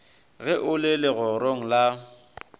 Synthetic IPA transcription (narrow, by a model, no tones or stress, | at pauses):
ɣɛʔʊlɪlɪɣɔɾoŋ̩la